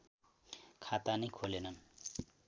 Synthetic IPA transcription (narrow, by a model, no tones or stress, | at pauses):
kʰat̪anʌjkʰolenʌn